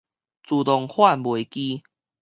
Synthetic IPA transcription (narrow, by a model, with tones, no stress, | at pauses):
t͡su˨˩t̪ɔ˨ŋhwa˥˨nbwe˨˩ki˦